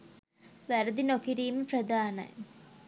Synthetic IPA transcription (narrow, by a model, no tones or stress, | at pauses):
ʋæɾəd̪inokiɾiːməprɐd̪aːnɐ̰j